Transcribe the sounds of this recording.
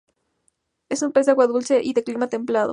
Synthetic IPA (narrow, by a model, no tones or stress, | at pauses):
e̞sumpe̞z̬d̪aɣwaðulse̞ʔiðe̞klimat̪e̞mplaðo̰